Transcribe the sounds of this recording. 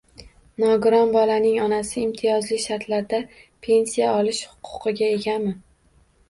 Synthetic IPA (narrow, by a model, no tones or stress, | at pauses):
nɒɡʊɾɒnbɒlanɪŋɒnasɪːmt̪ʰɪjɒzlɪʃaɾt̪ʰlaɾd̪apʰe̞nsijaɒlˠɪʃhʊ̥qʰʊ̥qʰɨɡʲae̞ɡʲamɪ